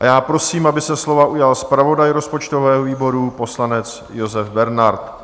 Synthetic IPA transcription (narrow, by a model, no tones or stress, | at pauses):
ʔajaːpɾo̞siːmʔabɪsɛslo̞vaʔujalspɾavo̞dajɾo̞spo̞t͡ʃt̪ovɛːɦoviːbo̞ɾupo̞slanɛt͡s | jo̞zɛfbɛɾnaɾt̪